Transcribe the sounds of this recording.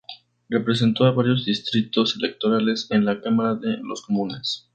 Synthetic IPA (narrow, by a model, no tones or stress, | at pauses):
re̞pɾes̬e̞nt̪o̞aβaɾjo̞zðist̪ɾit̪o̞se̞le̞k̚t̪o̞ɾale̞se̞nlakamaɾaðelo̞̰sko̞mũne̞s